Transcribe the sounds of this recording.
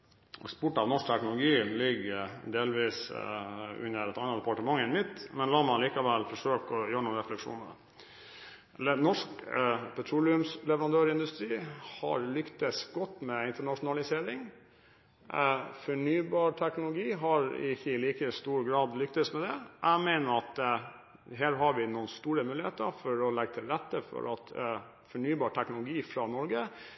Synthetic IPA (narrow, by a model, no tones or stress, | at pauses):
ɔ̰spʊʈːɑʋnɔʂk̚t̪ʰæknʊlʊɡiːlɪɡːd̪eːlʋiːs | ʉ̰nːəɾɛt̪ɑnːəd̪ɛpɑʈəmɑŋːɛnmɪt̪ːmɛnlɑːmɑliːkɑʋɛlfɔʂøːkɔjøːɾəɳuːɾɛflɛkʂṵːnə | nɔʂkpʰɛt̪ʰɾuːlɪʉmslɛʋəɾɑnd̪øːɾɪnd̪ʉst̪ɾiːhɑ̰ɾlʏkt̪əsɡɔt̪ːmɛɪnt̪əɳɑʂʊnɑlɪseːɾɪŋ | fɔɳyːbɑːɾʈʰæknʊlʊɡiːɦɑɾɪ̰çəliːkəst̪uːɾɡɾɑːd̪lʏkt̪əsmɛd̪ɛʔæmeɪnəɾɑt̪ | ɦeːɾɦɑɾʋɪnuːənst̪uːɾəmʉːlɪheːt̪əɾfɔɾɔlɛɡət̪ʰɪlɾɛt̪ːəfɔ̰ɾɑt̪ | fɔɳyːbɑːʈʰɛknʊlʊɡiːfɾɑnɔɾɡə